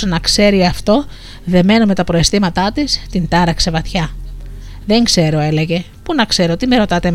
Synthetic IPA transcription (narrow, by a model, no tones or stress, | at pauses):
onɐkse̞ɾiɐft̪o̞ | ðe̞me̞nome̞t̪ɐpɾo̞est̪imɐt̪ɐt̪ist̪ind̪ɐɾɐksevɐt̪çɐ | ðe̞ŋkse̞ɾo̞e̞le̞ʝe̞ | punɐkse̞ɾot̪ime̞ɾo̞t̪ɐt̪e